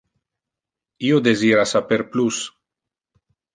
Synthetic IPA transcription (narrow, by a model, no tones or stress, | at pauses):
iod̪eziɾasapeɾplus